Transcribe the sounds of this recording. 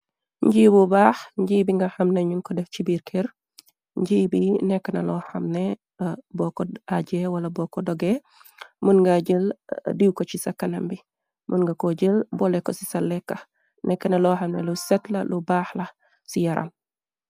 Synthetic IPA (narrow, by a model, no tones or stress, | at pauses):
ɲɟiːbubaːxɲɟiːbiŋɡɐxɐmnɐɲuŋkɔdɛft͡ʃibiːɾkʰɛɾ | ɲɟiːbinɛkːɐnɐlɔːxɐmnɛ | bɔkɔaɟɛwɐlɐbɔkɔdɔɡɛ | munŋɡaɟəldiwkɔt͡ʃisɐkːɐnɐmbi | mʔunŋɡɐkɔɟəlbɔlɛkɔsi̥sɐlːɛkːɐ | nʔɛkːɐnɐlɔxɐmnɛlusɛtlɐ̰lubaːxlɐ | sijɐɾʔa̰l